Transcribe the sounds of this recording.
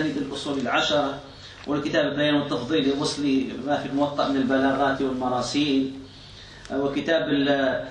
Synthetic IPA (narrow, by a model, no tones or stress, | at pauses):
niːd̪ɪlʔʊsˤuːlilʕaʃɑɾˤɑ | wʔɪlkɪt̪aːbɪlbajaːnwɨt̪ːɑfðˤiːliwʊsˤlimafilmʊwɑt̪ˤːɑʔmɪnɪlbalɑːɣɑːt̪wɪlmɑɾˤɑːsiːn | wɪkɪt̪aːbɪl